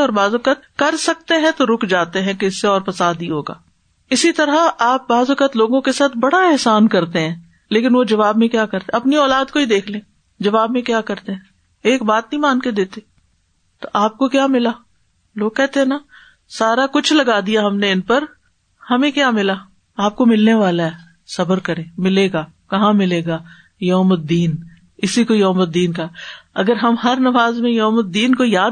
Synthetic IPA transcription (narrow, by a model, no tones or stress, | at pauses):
ɔːɾbaːzɐkət̪̚kɐɾsɐk̚t̪eɦɛ̃t̪oɾʊkʰd͡ʒaːt̪eɦɛ̃keɪsːeɔːɾpɐsaːd̪iɦoːɡa̰ː | ɪsit̪ɐɾaaːp̚baːzɐkət̪loːɡõkesaːt̪ʰbɐɽaɛɦsaːnkɐɾt̪eɦɛ̃ː | leːkɪnʋod͡ʒɐʋaːbmẽkjaːkɐɾt̪ẽɐpniɔːlaːd̪koid̪eːkʰlẽː | d͡ʒɐʋaːbmẽkjaːkɐɾt̪eɦɛ̃ | eːk̚baːt̪̚nɐɦĩmãːnked̪eːt̪e | t̪oʔaːp̚kokjaːmɪlaː | loːɡ̚kɛɦt̪eɦɛ̃na | saːɾakʊt͡ʃʰlɐɡaːd̪ijaɦɐmneɪnpɐɾ | hɐmẽkjaːmɪla | aːp̚komɪlneʋaːlaɦɛ | sɐbəɾkɐɾẽːmɪleːɡaː | kɐɦãmɪleːɡaː | joːmət̪̚d̪iːn | ɪsikojoːmət̪̚ːiːnkaɛɐɡəɾɦɐmɦɐɾnɐʋaːzmẽjoːmət̪̚d̪iːnkojaː